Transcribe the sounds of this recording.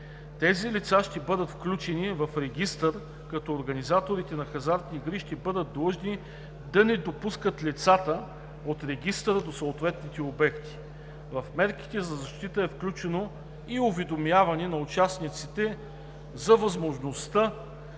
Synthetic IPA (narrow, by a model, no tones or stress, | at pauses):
t̪ɛzilit̪saʃt̪ɛbɤd̪ət̪fklʲut͡ʃɛnivɐfɾɛɡʲist̪əɾ | kɐt̪ɔːɾɡɐnizat̪oɾit̪ɛnɐxɐzaɾt̪niɡɾiʃt̪ɛbɤd̪ət̪̚d̪ˠəʒni | d̪ɐnɛd̪opuskət̪lit̪sat̪ə | ot̪ɾɛɡ̟ist̪ɾəd̪osoot̪vɛt̪nit̪ɛobɛkt̪i̥ | vɐfmɛɾk̟i̥t̪ɛzɐzɐʃt̪it̪əɛfklʲut͡ʃɛno | iʊvɛd̪omjavɐnɛnɐʊt͡ʃasnit̪sit̪ɛ | zɐvɐzmoʒnost̪ə